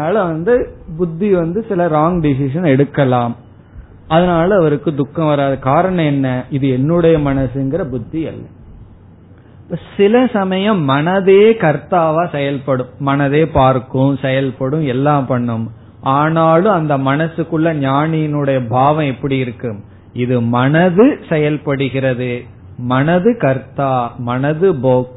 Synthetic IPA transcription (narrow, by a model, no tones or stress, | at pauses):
naːlɐʋɐnd̪ɯbʊd̪ːiʋɐnd̪ɯsɪlɐɾaːŋɡɖɪs̬ɪʂɐnɛɽɯkːɐlaːm | ɐðɐnaːlɐːʋɐɾɯkːɯd̪ʊkːɐ̃ʋɐɾaːðɯkaːɾɐɳɐ̃ɛnːɐɪðɯɛnːɯɽɐjɐmɐnɐsɯɛŋɡɪɾɐbʊd̪ːiɐ̰lːɐ | pːɐsɪlɐsɐmɐjɐ̃mːɐnɐðeːkɐɾt̪aːʋaːsɛjɐlpɐɽɯ̃mːɐnɐðeːpaːɾkːɯ̃sɛjɐlpɐɽɯ̃mɛlːãːmpɐɳːɯm | ʔaːnaːlɯ̃ɐnd̪ɐmɐnɐsɯkːɯɭːɐɲaːnɪjɪnɯɽɐjɐbʱaːʋɐ̃ɛpːɐɽiɪɾɯkːɯm | ɪðɯmɐnɐðɯsɛjɐlpɐɽɯɣɪɾɐðɯ | mɐnɐðɯkɐɾt̪ːaːmɐnɐðɯboːk